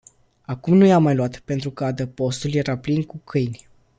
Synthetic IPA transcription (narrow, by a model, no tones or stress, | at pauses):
akumnujamːajluat̪pe̞nt̪ɾukəad̪əpo̞st̪ulje̞ɾaplinkukʰɨjnʲ